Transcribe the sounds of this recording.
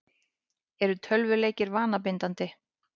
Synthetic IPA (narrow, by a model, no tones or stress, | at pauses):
ɛɾʏt̪ʰœlvʏleːjcɪɾvaːnap̬ɪnt̪ant̪ɪ